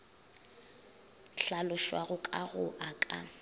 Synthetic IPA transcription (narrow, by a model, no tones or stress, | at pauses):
ɬalʊʃwaɣʊkʼaɣʊʔakʼa̰